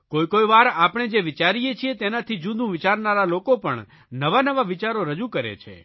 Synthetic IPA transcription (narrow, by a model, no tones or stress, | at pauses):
koikojʋaɾapɳ̃ed͡ʒeʋɪt͡ʃaɾijet͡ʃʰiet̪enat̪ʰid͡ʒud̪ʱũʋɪt͡ʃaɾnaɾalokopəɳ | nəʋanəʋaʋɪt͡ʃaɾoɾəd͡ʒukəɾḛt͡ʃʰḛ